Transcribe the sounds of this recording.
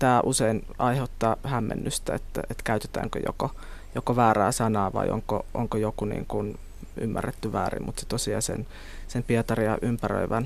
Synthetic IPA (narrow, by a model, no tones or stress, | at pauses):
t̪æːʔusein | ɑiheut̪ːɑːhæmːḛnːyst̪æet̪ːæet̪kæyt̪e̥t̪æ̰ːŋkø̰jo̰ko | jokoʋæːræːsɑnɑːʋɑ̰iʔo̰ŋkoʔo̰ŋkojokunḭːŋkun | y̰mːærːet̪ːyʋæ̰ːrḭmmut̪se̥t̪osiɑ̰sḛn | sempiet̪ɑriɑʔympærø̰iʋæn